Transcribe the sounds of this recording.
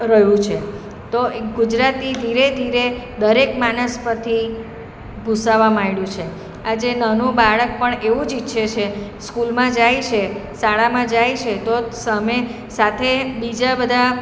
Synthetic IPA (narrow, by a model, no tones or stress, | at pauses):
ɾəɦjũt͡ʃʰe | t̪oɡud͡ʒɾat̪id̪ʱiɾed̪ʱiɾe | d̪əɾekmanəspət̪ʰi | bʱusaʋamaiɽjũt͡ʃʰe | ad͡ʒenənũbaɭək̚pəɳeʋũd͡ʒitːʃʰet͡ʃʰeskulmãd͡ʒajt͡ʃʰesaɭamãd͡ʒajt͡ʃʰet̪osəme | sat̪ʰebid͡ʒabəd̪ʱa